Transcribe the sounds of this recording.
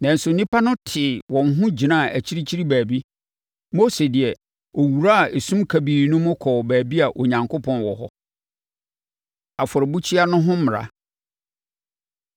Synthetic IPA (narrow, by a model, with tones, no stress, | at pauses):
nã˨n̩˨sʊ˨nĩ˦pʰa˦nʊ̃˦tʰɪ˨wɔ̃˨nɦʊ̃˦d͡ʑi˨nã˦˨ʔæ˨t͡ɕʰi˦ɾi˦t͡ɕʰi˦ɾi˦bæː˨bi˦ | mo˦se˨dɪ˨ɛ˨ | o˨wu˨ɾa˦a˨e˨sũ˦mkʰa˨biː˨nʊ̃˦mʊ̃˦kʰɔː˨bæː˨bi˦a˨ʔo˨ɲã˨ŋkʰo˦pʰɔ̃˨nwɔ̰˨ɦɔ̰˦ | a˨fʊ˨ɾɪ˨bu˦t͡ɕʰi˦a˦nʊ̃˦ɦʊ̃˦mɪ̃˨ɾa̰˨